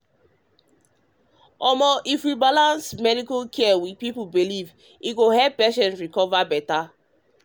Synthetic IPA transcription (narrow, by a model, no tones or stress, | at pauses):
ɔmɔʔifɾibalãnsmɛdikokʰɛɛwid̚pipubiliv | iɡohɛbɛʃɔ̃nɹikɔvabɛta